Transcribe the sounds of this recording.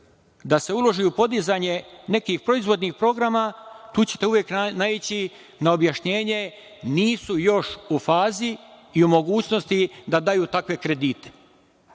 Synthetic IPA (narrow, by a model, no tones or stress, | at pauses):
d̪ase̞ulo̞ʒiupo̞d̪izaɲe̞ne̞kixpɾo̞izʋo̞d̪nixpɾo̞ɡɾamat̪uːt͡ɕe̞t̪euʋjeːknait͡ɕi | nao̞bjaʃɲe̞ːɲe̞ | niːsujo̞ʃufaːziːumo̞ɡuːt͡ɕno̞st̪id̪ad̪ajuːt̪akʋe̞kɾe̞d̪iːt̪e̥